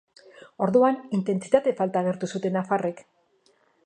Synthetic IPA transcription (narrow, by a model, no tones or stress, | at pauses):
o̞ɾðuanint̪e̞nt͡si̥t̪at̪e̞falt̪aːɣ̞e̞ɾt̪usut̪e̞nafare̞k